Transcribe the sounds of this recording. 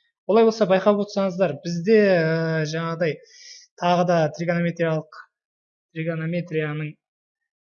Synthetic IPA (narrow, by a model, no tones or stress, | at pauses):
wo̞lˠɑjbolˠsɑbɑjqɑwot̪sɑɴəzd̪ɑɾbɪzd̪e̞əʒɑɴɑʁəd̪ɑj | t̪ʰɑʁəd̪ɑt̪ʰrʲiɡanomʲe̞t̪ɾijalˠəq | t̪riɡanomʲe̞t̪ɾijanəɴ